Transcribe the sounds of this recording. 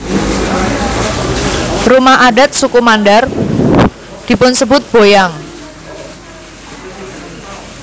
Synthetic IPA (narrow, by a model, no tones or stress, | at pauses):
rumaʔaɖa̤t̪̚sukumandar | d̪̥i̤pʊnsəbʊt̪̚b̥ojaŋ